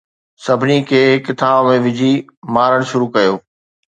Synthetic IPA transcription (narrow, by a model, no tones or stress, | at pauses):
sɐbʱɪnikʰeːɦɪkɪt̪ʰaːbmẽʋɪd͡ʑʱimaːɾəɽ̃ʃʊɾukɐjoː